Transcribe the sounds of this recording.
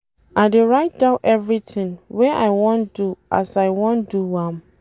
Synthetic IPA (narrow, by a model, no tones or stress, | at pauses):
aɪdeɹaɪt̚d̥ãʊʔɛvɹitʰɪ̃ŋwɛʔaɪwɔ̃nduʔa̰saɪwɔ̃nduwãm